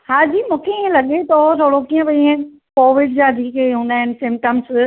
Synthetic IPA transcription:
haːd͡ʑiːmũːkʰeiẽlɐɠet̪ot̪ʰoːɽokiːə̃bɐiẽ | koːʋɪɖd͡ʑaːd̪ʱiːkeɦũːnd̪aːɦɪnɪ̆sɪ̃mpʈəms

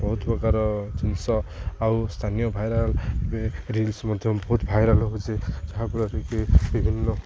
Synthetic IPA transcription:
bʌɦut̪pɔkaɾʌd͡zinsʌaust̪ʰanijʌbʱajɾalbeɾilsmʌd̪ʱjbɦut̪bʱajɾalɦut͡sed͡zʌɦapuɾʌɾekebibʱinːʌ

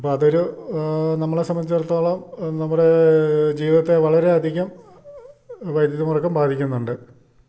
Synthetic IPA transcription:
ɐpːoɐðoɾu | nɐmːɐɭesɐmbɐnit͡ɕːɐɾɐt̪ːoːɭɐmnɐmːuɽe̞d͡ʑiːʋiðɐt̪ːe̞ʋɐɭɐɾe̞ɐd̪ʱiɣɐm | ʋɐjd̪jɐðumurɐkːɐmbaːd̪ʱikʲːunːuɳɖɨ

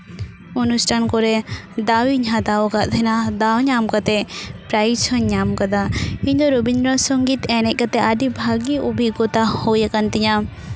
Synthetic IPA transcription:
ɔnusʈʰankɔɾɛd̪awiɲad̪aɔkaʔd̪ʰʱɛnad̪awɲamkat̪ɛpɾait͡ʃʰɔɲɲamkad̪aĩɲd̪ɔɾobind̪ɾɔsɔŋɡit̪ɛnɛʔ̚kat̪ɛʔaɖibʱaɡiɔbʱiɡɔt̪ahojakant̪iɲa

